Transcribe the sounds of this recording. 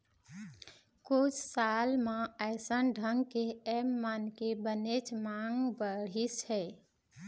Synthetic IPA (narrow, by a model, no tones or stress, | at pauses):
kut͡ʃʰsalmẽəɪsənɖʱəŋɡkeemːankebənet͡ʃʰmaŋɡbəɽishɛ